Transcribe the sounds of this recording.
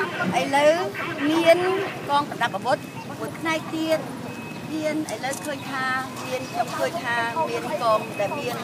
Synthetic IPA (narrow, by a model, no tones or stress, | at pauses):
ʔəjləwmiənkɑːŋkɑnɗap̚ːaʋʊt̪̚ | pːuəj̚pʰnaɛk̚t̪iət̪̚ | niənʔaə̰ɔjləwkʰəːɲt̪ʰaːmiənkʰɲomkʰəːɲt̪ʰaːmiənkɑːŋɗəpiən